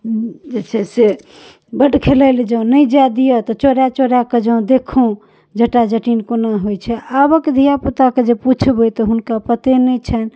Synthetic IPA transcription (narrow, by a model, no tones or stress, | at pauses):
d͡ʒet͡ʃʰɛse | bəʈkʰeləɪld͡ʒə̃nəjd͡ʒad̪ijət̪ɔt͡ʃoɾjat͡ʃoɾjaked͡ʒə̃ũd̪ekʰũ | d͡ʒəʈad͡ʒəʈinkonaɦojt͡ʃʰɛabəked̪ʱijaput̪aked͡ʒeput͡ʃʰbəjt̪ɔɦunkapət̪enɛt͡ʃʰɛn